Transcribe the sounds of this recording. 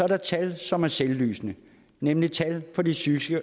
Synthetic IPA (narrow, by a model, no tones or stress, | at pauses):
ɒ̽æɐɾɑt͡sʰælsɒ̽mæɐselːy̰ːsnə | nemlit͡sʰælfɒ̽disyɡ̥sɡ̥ə